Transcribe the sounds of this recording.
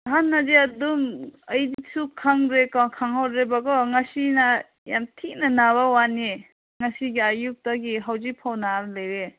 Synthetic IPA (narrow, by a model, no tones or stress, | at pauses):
ɦanːazeɐdumɐjdisukʰaŋɾekɔkʰaŋɦawdɾebaɡɔŋasina | jamtʰik̚nanaβawani | ŋasiɡiajuk̚taɡiɦawzipʰawnaɾlejɾe